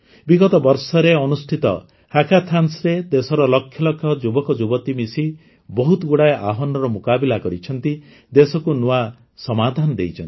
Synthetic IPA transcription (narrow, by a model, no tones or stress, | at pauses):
biɡɔt̪ɔbɔɾsɔɾeɔnusʈʰit̪ɔ̰ | hakʰat̪ʰansɾed̪esɔɾɔlɔkʰːjɔlɔkʰːjɔd͡ʒubɔkɔd͡ʒubɔt̪imisi | bɔɦut̪ɔɡuɽaeʔa̰ɦɔnɔɾɔmukabilakɔɾit͡ʃʰɔnt̪i | d̪esɔkunua | sɔmad̪ʱanɔd̪ḛjt͡ʃʰɔnt̪i